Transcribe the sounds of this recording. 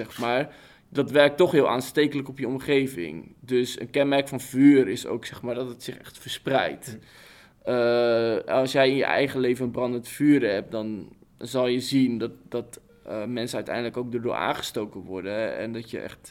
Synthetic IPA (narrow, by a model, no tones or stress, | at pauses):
ɛxmaːɹ | dɑtʋɛɹk̚tɔχɦɪːlˠʔaːnsteːkələkɔpjəɔmχejvɪ̰ŋdøsə̰nkɛnmɛrkfɑnvyːrɪso̰wksɛχmaːɹdɔtətsɪχɛ̰χtfəɹsprɛ̰jt | ə | ɑlˠsjɛjɪnjə̰ʔɛ̰jχəlejvənənbrɑndəntfyːɾəɦɛp̚dɔnzɑlˠjəzindɔtdɑt | mɛnsəœɥtɛ̰jndələkowk̚dərdʊ̰ːɹʔa̰ːnχə̥stowkənʋɔɹdəɛ̰ndɔtjə̰ʔɛ̰χt